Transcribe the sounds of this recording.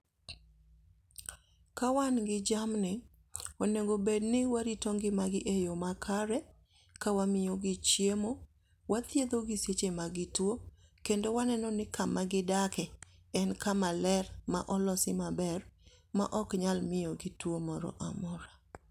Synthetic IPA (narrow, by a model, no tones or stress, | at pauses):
kawanɡɪd͡ʒamnɪ | oneŋɡobednɪwaɾitoŋɡɪmaɡɪʔejomakʰaɾɛ | kawamɪjoɡɪt͡ʃjemo | wat̪jed̪oɡɪset͡ʃemaɡɪtwokendowanɛnɔnɪkamaɡɪdakɛɛnkamalɛrma̰ʔɔlɔsɪmabɛr | ma̰ʔɔkɲalmɪjoɡɪtwomɔɾɔ̰ʔamɔɾa